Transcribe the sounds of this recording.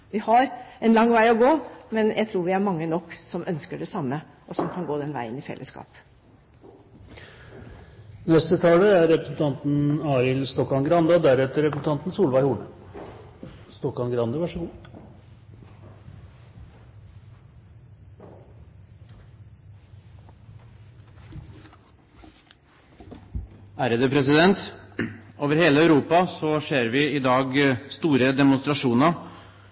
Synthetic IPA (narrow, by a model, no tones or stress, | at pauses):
ʋɪhɑɾɛnlɑŋːʋæɪɔɡoːmɛnjʔæɪt̪ʰɾuːɾʋɪæɾmɑŋːənɔkːsɔmʔœnskəɖɛsɑmːə | ʔɔsɔmkʰɑnɡoːd̪ɛnʋæ̰ɪə̰nɪfɛ̰lːʔə̰skɑ̰ːp | nɛst̪ət̪ʰɑːləæɾɾɛpɾəsn̩t̪ʰɑnt̪n̩ɑːɾɪlst̪ɔkɑŋɡɾɑnd̪ɑd̪æɾɛt̪əɾɛpɾəsn̩t̪ʰɑnt̪n̩suːlʋɑɪhuːɳə | st̪ɔkɑnɡɾɑnd̪ɑʋɑʂɔɡuː | æːɾəd̪ɛːpʰɾɛsɪd̪ɛnt̪ | oːʋəɾheːləœʉɾuːpɑsɔʂeːɾʋɪɪd̪ɑːɡst̪uːɾəd̪ɛmʊnst̪ɾɑʂuːnɑ